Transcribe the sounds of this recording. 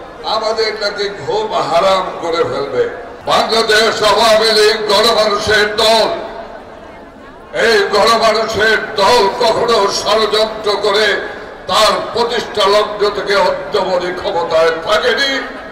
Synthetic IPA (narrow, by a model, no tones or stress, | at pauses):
amad̪eɾnakiɡʱomɦaɾamkoɾefelbe | baŋlad̪eʃɔbamilik̚ɡʱɔnomanuʃeɾd̪ɔl | ejɡʱɔnomanuʃeɾd̪ɔlkɔkʰonoʃaɾod͡ʑɔnt̪ɾokoɾet̪aɾpɾot̪iʃʈʰalɔɡ̚dot̪ʰekeɔd̪ːobod̪ikʰɔmot̪aet̪ʰakeni